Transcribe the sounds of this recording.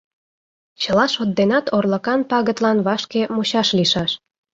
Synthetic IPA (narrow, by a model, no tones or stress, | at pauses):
t͡ɕəlɑʃot̪̚d̪enɑt̪orlə̆kɑnpɑɣət̪lɑnβɑʃkemuɕɑʃliʃɑʃ